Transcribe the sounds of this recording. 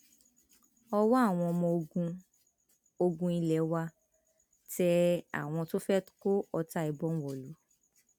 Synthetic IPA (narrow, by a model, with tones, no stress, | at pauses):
ɔ˧wɔ˦a˦˨w̃ɔ̃˧ɔ˧mɔ̃˧o˧ɡũ˧ | o˧ɡũ˧i˧lɛ˨˦wa˧ | tɛ˧˦a̰˨w̃ɔ̃˧to˦fɛ˦tko˦ɔ˧ta˦˧i˧bɔ̃˦n̩˦wɔ˨lu˨˦